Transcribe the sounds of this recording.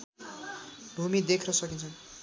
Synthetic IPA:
bʱumid̪ekʰnʌsʌkint͡sʰʌn

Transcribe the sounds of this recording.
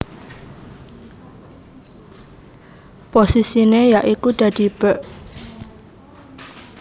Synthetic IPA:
posisinejaʔikud̪̥a̤d̪̥i̤b̥əʔ

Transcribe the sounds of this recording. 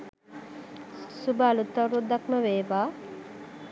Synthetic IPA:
subaːlut̪ːɐɾud̪ɐkməʋeːʋaː

